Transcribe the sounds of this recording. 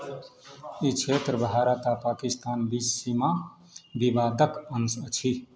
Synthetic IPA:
it͡ʃʰet̪ɾəbʱaɾət̪apaːkist̪aːnbissima | bibaːd̪əkənsət͡ʃʰi

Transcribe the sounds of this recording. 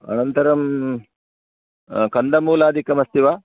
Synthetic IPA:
ɐ̰nɐnt̪ɐɾɐm | kɐnd̪ɐmuːlaːd̪ʱikɐmɐst̪ʰiʋaː

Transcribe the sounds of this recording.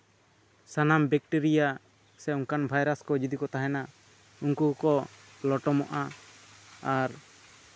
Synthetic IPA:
sanambɛk̚ʈiɾija | sɛuŋkanbʱajɾaskɔd͡ʒid̪ikɔt̪aɦɛna | uŋkukɔ | lɔʈɔmɔʔa | aɾ

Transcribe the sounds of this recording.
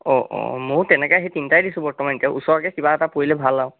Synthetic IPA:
ɔʔɔ̰moɹtɛnɛkɔjaɦejtintajdisũbɔɹtɔmanitɛʔusɔɹakɛkibaɛtapoilɛbʱalːaw

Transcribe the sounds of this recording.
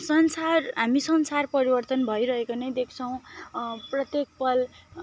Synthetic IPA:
sʌnsarɦamisʌnsarpʌɾibʌrt̪ʌnbʱʌjɾʌɦekonʌjd̪ekʰt͡sʰʌw̃prʌt̪jek̚pʌl

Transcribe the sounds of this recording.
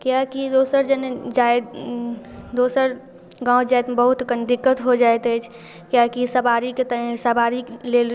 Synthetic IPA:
kjakid̪oːsəɾd͡ʒənd͡ʒaed̪ | d̪oːsəɾ | ɡãːʊd͡ʒaːed̪bəɦʊt̪kənd̪ɪkːət̪ɦod͡ʒaːet̪ɦɛt͡ʃʰ | kjakisəbaːɾiket̪əsəbaːɾileːl

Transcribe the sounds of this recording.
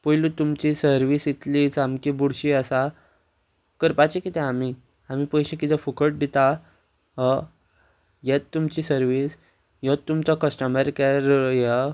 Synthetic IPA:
pəjlut̪umt͡ɕisəɾʋiːsit̪liːt͡samkibuɽɕiəsa | kəɾpat͡ɕekit̪ɛ̃ami | amipəjɕekit̪efukəʈ̚d̪it̪a | ɦə | jet̪ːumt͡ɕisəɾʋis | jət̪ːumt͡sɔkəsʈəməɾkaɾja

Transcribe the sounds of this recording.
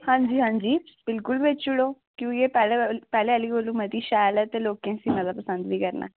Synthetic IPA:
hãːɲd͡ʒiːɦãːɲd͡ʒiːb̥ɪlkʊlʋɪt͡ʃʊɽoː | kjõːkepɛːlepɛːleːəliːɡoːlũːməd̪iːʃaːlɛːt̪eːloːkẽːsiːmət̪ləbpːəsə̃nd̪ʋiːkəɾna̰ː

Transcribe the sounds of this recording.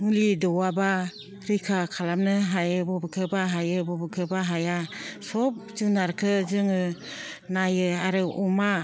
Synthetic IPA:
ŋɯlidɔwaba | ɾikʰakʰalamnɯɦajɯbɔbɯkʰɯbaɦajɯbɔbɯkʰɯbaɦajasɔp̚d͡ʒɯnaɾkʰɯzɯŋɯnajɯaɾɯɔma

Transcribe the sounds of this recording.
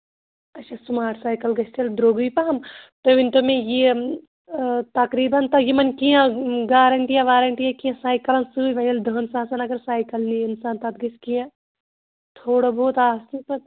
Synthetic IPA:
ɐtːʃʰasumaːɾsaːjkɐlɡɐst̪ʰeld̪ɾoːɡʋipɐɦɐmt̪oʋɪnt̪omẽje | t̪ɐkɾiːbɐnt̪ɐjemɐnkijãɡaːɾɐɳʈijaʋaːɾɐɳʈijakijãsaːjkɐlɐnsuiʋɐjɐld̪ʱɐɦːnsaːsɐnɐɡɐɾsaːjkɐlniɪnsaːnt̪ɐt̪̚ɡɐskijã | t̪ʰoːɽoboːt̪aːsnipɐt

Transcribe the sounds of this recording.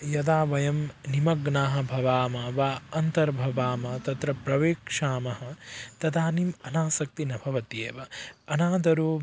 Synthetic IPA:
jɐd̪aːʋɐjɐmnimɐɡnaːɦɐ̆bʱɐʋaːmɐʋaːɐnt̪ɐɾbʱɐʋaːmɐt̪ɐt̪ɾɐpɾɐʋeːkʂaːmɐɦɐt̪ɐd̪aːnimɐnaːsɐk̚t̪inɐbʱɐʋɐt̪jeːʋɐɐnaːd̪ɐɾoː

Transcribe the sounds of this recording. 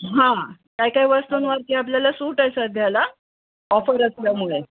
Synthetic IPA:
ɦãkajkaiʋəst̪unʋaɾk̪iap̬ljalasuːʈajsət̪̚d̪ʱjala | ɔfəɾəsljamuɭe

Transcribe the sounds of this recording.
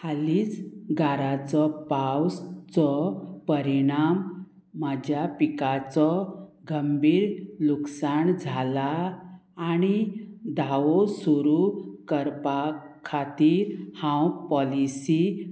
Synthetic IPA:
haliːd͡zɡaɾat͡sɔpawst͡sɔpəɾiɽ̃amː | ad͡ʑʱjapikat͡sɔɡʱəmbʱiːɾluksaɳd͡zʱalaː | ñid̪ʱawosuɾukəɾpakʰːat̪iːɾhãwpɔlisi

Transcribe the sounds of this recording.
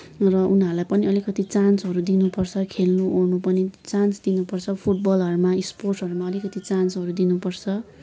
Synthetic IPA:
rʌʔunɦʌɾulajpʌniʌlikʌt̪it͡sansɦʌɾud̪inupʌrt͡sʰʌkʰelnuonupʌnit͡sansd̪inupʌrt͡sʰʌpʰuʈ̚bʌlɦʌɾumaisporʈʌɾumaʌlikʌt̪ʰit͡sansɦʌɾud̪inupʌrt͡sʰʌ

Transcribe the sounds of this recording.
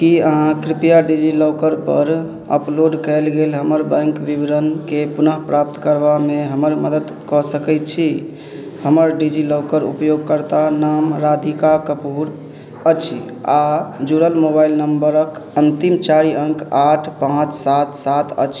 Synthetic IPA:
kiəɦãkɾipijaɖid͡ʒilɔʊkəɾpə̰ɾ | ə̰ploɖkɛɪlɡelɦəməɾbə̃ŋkʋibɾənkepunəɦpɾap̚t̪kəɾbameɦəməɾməd̪əd̪ | kɔsəkɛt̪t͡ʃʰi | həməɾɖid͡ʒilɔʊkəɾṵpjoɡ̚kəɾt̪anamɾad̪ʱikakəpuɾ | ət͡ʃʰḭ | ad͡ʒuɾəlmobailnəmbəɾəkənt̪imt͡ʃaɾiəŋkaʈʰpãt͡ʃʰsat̪ʰsat̪ʰə̰t͡ʃʰ

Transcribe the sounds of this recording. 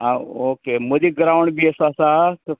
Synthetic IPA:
ãːoːkeːmʊ̃ɦd͡ʑiɡɐɾaːʋəɽ̃biəsãsãt̪ɐ

